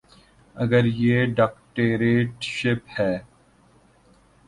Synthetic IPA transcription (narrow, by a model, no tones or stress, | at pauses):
ɐɡəɾjeːɖaːkʈeːɾeːʈʃɪphɛː